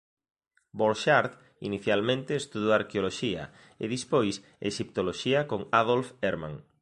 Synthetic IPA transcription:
boɾʃaɾð | ḭniθjalmẽnt̪eːst̪uðoaɾkeoloʃiɐ̰ | ḛðispojs | eʃip̚t̪oloʃiɐkoŋaðolfeɾmã̰ŋ

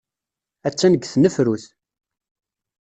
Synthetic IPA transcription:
æt͡sːænəɡθnəfɾuθ

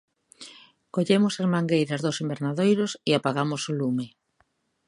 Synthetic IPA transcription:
koʎemʊsazmaŋɡejɾɐzðosimbeɾnaðejɾʊsɪapaɣamʊsʊlumɪ

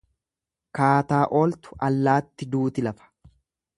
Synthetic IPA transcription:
kaːt̪aːʔoːlt̪ʊ̥ʔɐlːaːt̪ːɪd̪uːt̪ɪlɐfɐ̥

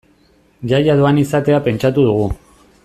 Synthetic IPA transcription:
ʝajaðoanisat̪e̞ape̞nt͡ʃat̪uð̞uɣu

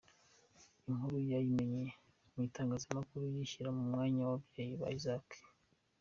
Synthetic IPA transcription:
iŋhuɾujajime̞ɲe | mitaːŋɡaːzimakuɾujiçiɾamumŋaːɲawabɟeːjiβa̰izake̥

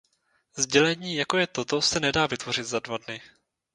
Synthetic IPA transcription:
zɟɛlɛɲiːjako̞jɛt̪o̞t̪o̞sɛnɛdaːvɪt̪vo̞r̝ɪt̪zadvadnɪ

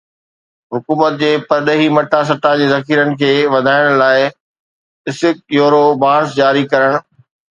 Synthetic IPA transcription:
ɦʊkuːmət̪̚d͡ʑeːpɐɾɗəɦimɐʈas̬ɐʈad͡ʑeːzɐkʰiːɾənɪ̆kʰeːʋɐd̪ʱaːɪɽ̃laːɪ | ɪsɪk̚joːɾobaːɾsd͡ʑaːɾikɐɾəɽ̃

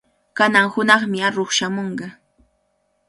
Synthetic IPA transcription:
kanaŋhʊnɑχmɪaɾoχʃamoɴɢɑ

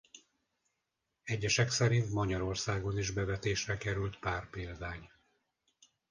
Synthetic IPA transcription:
ɛɟːɛʃɛksɛɾint̪mɒɟɒɾo̞rsaːɡo̞niʒbɛvɛt̪eːʃrɛkɛɾylt̪paːrpeːld̪aːɲ

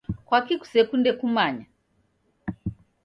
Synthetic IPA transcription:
kwakiku̥sɛkundɛkumaɲa

